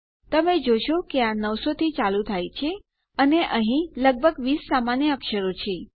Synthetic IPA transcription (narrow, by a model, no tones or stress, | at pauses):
t̪əmed͡ʒoʃokeanəʋsot̪ʰit͡ʃalut̪ʰajt͡ʃʰe | əneʔəɦĩləɡ̚bʱəɡʋisːamanjəəkʃəɾot͡ʃʰe